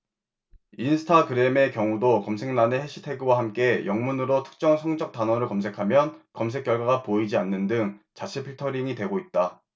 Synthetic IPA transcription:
insʰɯ̥tʰakɯɾe̞me̞kjʌŋudokʌmsʰe̞ŋnaneheɕʰi̥tʰe̞ɡɯwahamk͈e̞jʔʌŋmunɯɾotʰɯ̥k̚t͡ɕ͈ʌŋsʰʌŋd͡ʑʌk̚t͈anwʌɾɯɭkʌms̬ʰe̞kʰamjʌnkʌmsʰe̞k͈jʌɭɡwaɡapoid͡ʑianːɯndɯŋt͡ɕat͡ɕʰepʰiɭtʰʌɾiŋitwe̞ɡoit̚t͈a

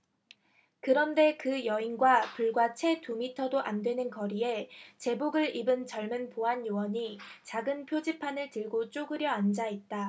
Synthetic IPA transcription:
kɯɾʌnde̞kɯjʌinɡwapuɭɡwat͡ɕʰe̞tumitʰʌdoʔandwe̞nɯnkʌɾie̞t͡ɕe̞boɡɯɭibɯnt͡ɕʌɭmɯnpoɦanjowʌɲit͡ɕaɡɯnpʰjod͡ʑipʰanɯɭtɯɭɡot͡ɕ͈oɡɯɾjʌand͡ʑait̚t͈a

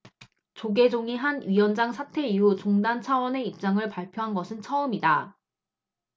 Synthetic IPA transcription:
t͡ɕoɡe̞d͡ʑoŋiɦanɥiwʌnd͡ʑaŋsʰatʰe̞iut͡ɕoŋdant͡ɕʰawʌne̞ip̚t͡ɕ͈aŋɯɭpaɭpʰjoɦanɡʌsʰɯnt͡ɕʰʌɯmida

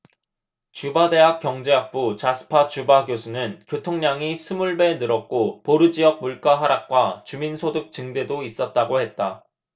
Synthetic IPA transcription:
t͡ɕubade̞ɦak͈̚jʌŋd͡ʑeak̚p͈ut͡ɕasʰɯ̥pʰat͡ɕubaɡjosʰunɯnkjotʰoŋɲaŋisʰɯmuɭbe̞nɯɾʌk̚k͈opoɾɯd͡ʑiʌk̚muɭk͈aɦaɾak̚k͈wat͡ɕuminsʰodɯk̚t͡ɕɯŋde̞dois͈ʌt̚t͈aɡohe̞t̚t͈a

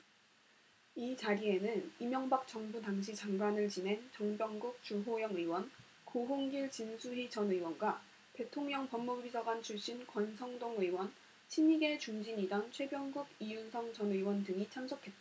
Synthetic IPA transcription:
it͡ɕaɾie̞nɯnimjʌŋbak̚t͡ɕ͈ʌŋbudaŋɕ̬ʰit͡ɕaŋɡwanɯɭt͡ɕine̞nt͡ɕʌŋbjʌŋɡuk̚t͡ɕoɦojʌŋiwʌn | koɦoŋɡiɭt͡ɕinsʰuɦid͡ʑʌnɯiwʌnɡwa | te̞tʰoŋɲʌŋpʌmːubisʰʌɡant͡ɕʰuɭɕ͈inkwʌnsʰʌŋdoŋiwʌn | t͡ɕʰiɲiɡe̞t͡ɕuŋd͡ʑiɲidʌnt͡ɕʰwe̞bjʌŋɡuɡijunsʰʌŋt͡ɕʌnɯiwʌndɯŋit͡ɕʰamsʰʌkʰe̞t̚t͈a

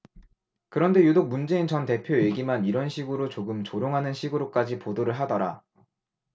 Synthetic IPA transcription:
kɯɾʌnde̞judok̚mund͡ʑe̞int͡ɕʌnte̞pʰjoe̞ɡimaniɾʌnɕʰiɡɯɾot͡ɕoɡɯmt͡ɕoɾjoŋɦanɯnɕʰiɡɯɾok͈ad͡ʑipodoɾɯɭɦadʌɾa

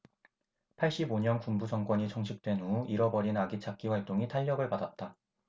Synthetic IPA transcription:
pʰaɭɕ͈iboɲʌnkumbud͡ʑʌŋkwʌɲit͡ɕʌŋɕʰik̚t͈we̞nuiɾʌbʌɾinaɡit͡ɕʰak̚k͈iɸwaɭt͈oŋitʰaʎːʌɡɯɭpadat̚t͈a

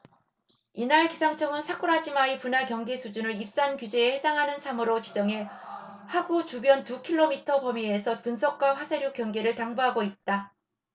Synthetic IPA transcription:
inaɭkisʰaŋt͡ɕʰʌɡɯnsʰak͈ʰuɾad͡ʑimaipunakjʌŋɡesʰud͡ʑunɯɾip̚s͈ankjud͡ʑeːhedaŋɦanɯnsʰamɯɾot͡ɕid͡ʑʌŋeɸwaɡut͡ɕubjʌntukʰiɭːomitʰʌpʌmiesʰʌpunsʰʌk̚k͈waɸwasʰeɾjuk͈jʌŋɡeɾɯɭtaŋbuɦaɡoit̚t͈a

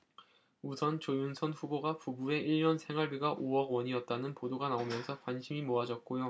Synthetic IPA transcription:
usʰʌnt͡ɕojunsʰʌnɸuboɡapubue̞ʔiʎːʌnsʰe̞ŋwaɭbiɡaʔoʌɡwʌɲiʌt̚t͈anɯnpodoɡanaomjʌnsʰʌkwanɕʰimimoad͡ʑʌt̚k͈ojo

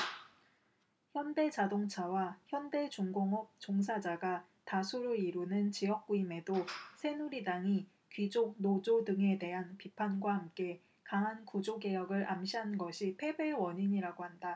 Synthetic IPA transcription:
çjʌnde̞t͡ɕadoŋt͡ɕʰawaçjʌnde̞t͡ɕuŋɡoŋʌp̚t͡ɕoŋsʰad͡ʑaɡa | tasʰuɾɯiɾunɯnt͡ɕijʌk̚k͈uime̞dosʰe̞nuɾidaŋi | kɥid͡ʑok̚nod͡ʑodɯŋe̞de̞ɦanpipʰanɡwaɦamk͈e̞ | kaŋɦankud͡ʑoɡe̞jʌɡɯɾʔamɕʰiɦannɡʌɕʰipʰe̞be̞wʌɲiɲiɾaɡoɦanda

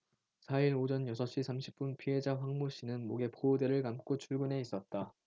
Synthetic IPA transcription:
sʰaiɾod͡ʑʌnjʌsʰʌɕ͈isʰamɕʰi̥p̚p͈unpʰiɦe̞d͡ʑaɸwaŋmoɕ͈inɯnmoɡe̞poːde̞ɾɯɭkamk͈ot͡ɕʰuɭɡune̞is͈ʌt̚t͈a

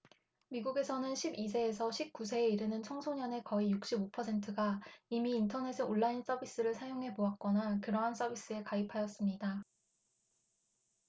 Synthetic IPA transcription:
miɡuɡe̞sʰʌnɯnɕʰibisʰeːsʰʌɕʰip̚k͈us̬ʰe̞ːiɾɯnɯnt͡ɕʰʌŋsʰoɲʌne̞kʌijuk̚ɕ͈ibopʰʌsʰe̞ntʰɯɡaimiːntʰʌne̞sʰɯoɭːains͈ʌbis͈ɯɾɯɭsʰajoŋɦe̞poak̚k͈ʌnakɯɾʌɦans͈ʌbis͈ɯe̞kaipʰajʌs͈ɯmɲida

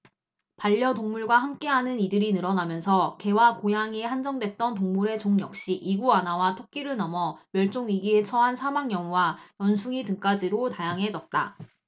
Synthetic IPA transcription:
paʎːʌtoŋmuɭɡwahamk͈e̞ɦanɯnidɯɾinɯɾʌnamjʌnsʰʌke̞wakojaŋiehand͡ʑʌŋdwe̞t̚t͈ʌntoŋmuɾe̞t͡ɕoŋjʌk̚ɕ͈iʔiɡuanawatʰok̚k͈iɾɯɭnʌmʌmjʌɭt͡ɕ͈oŋɥiɡiet͡ɕʰʌɦansʰamaŋjʌŋuwajʌnsʰuŋitɯŋk͈ad͡ʑiɾotajaŋɦe̞d͡ʑʌt̚t͈a̰

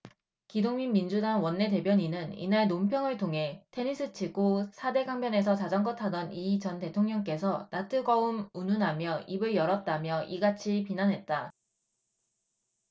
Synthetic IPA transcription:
kidoŋminmind͡ʑudaŋwʌnːe̞te̞bjʌɲinɯnḭnaɭnompʰjʌŋɯɭtʰoŋɦe̞tʰe̞ɲis͈ʰɯt͡ɕʰiɡosʰade̞ɡaŋbjʌne̞s̬ʰʌt͡ɕad͡ʑʌŋɡʌtʰadʌnit͡ɕʌnte̞tʰoŋɲʌŋk͈e̞s̬ʰʌnatʰɯɡʌumununɦamjʌibɯɭjʌɾʌt̚t͈amjʌʔiɡat͡ɕʰipinanɦe̞t̚t͈a

